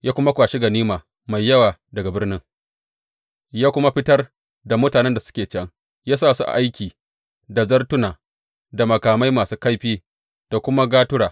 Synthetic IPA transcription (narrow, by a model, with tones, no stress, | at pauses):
jaː˦kʷʊ˦ma˦kʷaː˨ʃɪ˦ɡɐ˨niː˦maː˨ | ma˨jːɐ˦waː˨dɐ˨ɡa˨bɪ˦rnɪ˦ŋ | jaː˦kʷʊ˦ma˦ɸɪ˦tɐ˦r | da˨mʊ˦taː˨nɛ˦nda˨sʊ̥˦kʲeː˨t͡ʃɐ˦ŋ | jaː˦s̬aː˦˨su˦ʔa̰˨ʔa˦jkʲiː˨ | da˨zɐ˦rtʊ˦naː˨ | da˨mɐ˨kaː˨ma˦jmaː˨suː˦ka˦jɸiː˦ | d̥a˨kʷʊ˦ma˦ɡaː˦tʊ˦ɽaː˨